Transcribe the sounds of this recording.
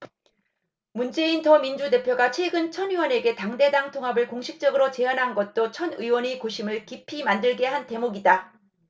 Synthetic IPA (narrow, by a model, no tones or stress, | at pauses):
mund͡ʑe̞intʌmind͡ʑude̞pʰjoɡat͡ɕʰweɡɯnt͡ɕʰʌnɥiwʌne̞ɡe̞taŋde̞daŋtʰoŋɦabɯɭkoŋɕʰik̚t͡ɕ͈ʌɡɯɾot͡ɕe̞anɦanɡʌt̚t͈ot͡ɕʰʌnɯiwʌɲikoɕʰimɯɭkipʰimandɯɭɡe̞ɦante̞moɡida